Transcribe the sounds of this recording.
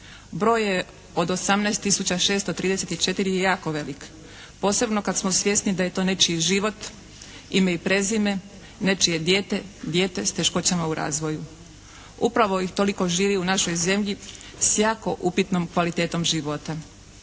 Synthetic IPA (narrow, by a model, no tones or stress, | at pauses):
bɾo̞ːje̞ | o̞d̪o̞samnɛːst̪ːisut͡ɕaʃe̞ːst̪ot̪ɾiːd̪eset̪it͡ʃe̞t̪iɾijejaːko̞ʋe̞lik | po̞ːse̞bno̞kad̪smosʋje̞st̪nid̪aje̞t̪o̞ːne̞t͡ʃiʒiʋo̞t̪ | imeipɾe̞zime̞ | ne̞t͡ʃije̞d̪je̞ːt̪e̞d̪je̞ːt̪e̞st̪e̞ʃko̞t͡ɕamauɾʔa̰ːzʋo̞ju | upɾaʋo̞ixt̪o̞liko̞ʒiːʋiunaʃo̞jze̞mʎi | sjaːko̞ʔupit̪nomkʋalit̪e̞ːt̪o̞mʒiʋo̞t̪a